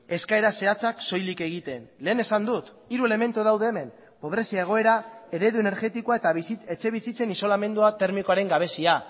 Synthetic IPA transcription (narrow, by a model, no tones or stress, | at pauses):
e̞skae̞ɾase̞at͡sakso̞jlike̞ɣ̞it̪e̞nle̞ːne̞sand̪ut̪ | iɾue̞le̞me̞nt̪uðawðe̞ːme̞m | po̞β̞ɾe̞siae̞ɣ̞o̞e̞ɾae̞ɾe̞ðue̞ne̞ɾɣe̞t̪ikoaet̪aet͡ʃe̞β̞isit͡se̞niso̞lame̞nd̪uat̪e̞ɾmiko̞aɾe̞ŋɡaβ̞e̞sia